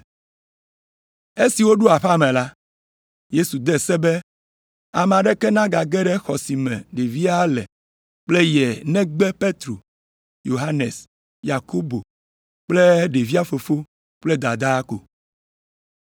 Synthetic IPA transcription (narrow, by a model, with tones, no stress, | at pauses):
e˦si˨wo˦ɖu˦a˨ɸa˦mɛ̃˨la˦ | je˦su˨d̪ɛ˦sɛ˦bɛ˦ | a˨m˨a˨ɖɛ˦kɛ˦nã˦ɡa˨ɡɛ˦ɖɛ˦xɔ˨si˨mɛ̰̃˨ɖe˨vi˦a˦lɛ̰˨ | k͡ple˦jɛ˨nɛ̃˦ɡ͡bɛ˦pe˦t̪ɾo˨ | jo˨ɦa˦ne˨s | ja˨ko˦bo˨ | k͡ple˦ɖe˨vi˦a˦fo˨fo˦ | k͡ple˦d̪a˨d̪a˦ko̰˨